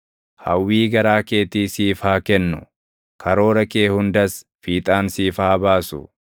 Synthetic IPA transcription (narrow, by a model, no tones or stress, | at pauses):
hɐ̰wːiːɡɐɾaːke̞ːt̪iːsiːfhaːkɛnːʊ | kʰɐɾo̞ːɾɐke̞ːhʊnd̪ɐs | fiːt̪ʼaːnsiːfaːbaːsʊ̰